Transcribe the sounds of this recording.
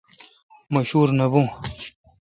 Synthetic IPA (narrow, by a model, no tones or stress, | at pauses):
mɐɕuːɾnɐbũː